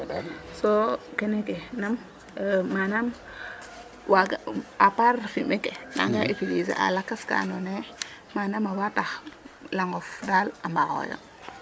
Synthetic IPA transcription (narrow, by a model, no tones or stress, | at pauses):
sokenekenamː | anam | waɡapaɾfimekena̰ŋɡaʔipilizḛʔa̰lakːaska̰none | manamawataxlaŋɡofdalambaɣo̰jo̰